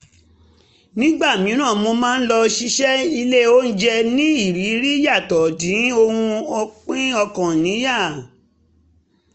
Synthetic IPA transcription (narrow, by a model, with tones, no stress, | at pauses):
nĩ˦ɡ͡ba˦˨mĩ˨˦nã˦˨mo˧mãː˦n̩˦lɔ˧ʃi˧ʃɛ˦i˧le˦o˦n̩˦d͡ʒɛ˧nĩ˦i˦˨ɾi˨˦ɾi˦ja˦˨tɔ˨dĩ˨˦o˧hũ˧ɔ˧k͡pĩ˦ɔ˧kã˨nĩ˨˦ja˦˨